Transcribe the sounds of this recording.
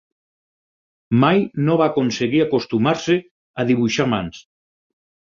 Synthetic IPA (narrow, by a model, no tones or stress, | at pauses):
majnoβakonseɣiakost̪umaɾse | aðiβ̞uʃamans